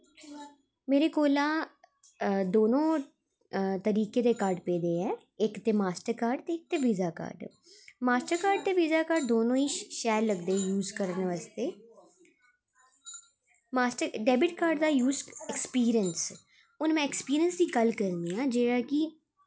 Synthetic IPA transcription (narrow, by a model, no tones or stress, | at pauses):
meːɾeːkoːlãː | d̪oːnõː | t̪əɾiːkeːd̪eːkaːɾɖpeːd̪eːɛː | ɪkt̪eːmaːsʈəɾkaːɾɖt̪eːk̚t̪eːʋizaːka̰ːɾɖ | maːsʈəɾkaːɾɖ̚t̪eːʋizaːkaːɾɖ̚d̪oːnõːiːʃɛːlləɡd̪eːɛjuːzkəɾənʋaːst̪eː | maːsʈəɾɖɛːbɪʈkaːɾɖd̪aːjuːzɛkspiːɾijəns | ʊnmɛ̃ːɛkspiːɾiənsd̪iːɡəlkəɾnd̪iːãːd͡ʒeːɽaːkɪ